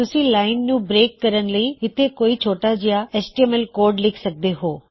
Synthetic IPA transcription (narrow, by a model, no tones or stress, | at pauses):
t̪ʊsĩlaːɪnd͡ʑũbɾeːkːɐɾənɪ̆ləiɪt̪ʰekoːit͡ɕʰoːʈad͡ʑijaesʈiemelkoːɾɖlɪkʰsɐk̚d̪eɦoː